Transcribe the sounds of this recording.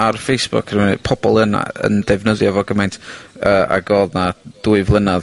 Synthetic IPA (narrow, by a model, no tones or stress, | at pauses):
arfejsb̥ʊ̰kʰrmənɨ̰pʰɔbɔlˠəna̰ə̰ndɛvnəðjavɔɡəmajntʰəa̰ɡoːðnad̥uːɨvlˠənað